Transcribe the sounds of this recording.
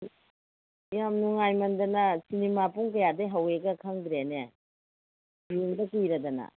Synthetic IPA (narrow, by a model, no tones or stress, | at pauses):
jamnuŋajmɐndɐnɐsinemapuŋkɐjadeɦɐweɡɐkʰaŋd̪ɾene | biuŋdɐkijɾɐdɐnɐ̰